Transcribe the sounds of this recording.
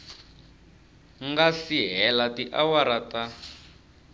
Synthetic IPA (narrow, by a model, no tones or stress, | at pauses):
ŋɡasiɦɛlatiʔawaɾata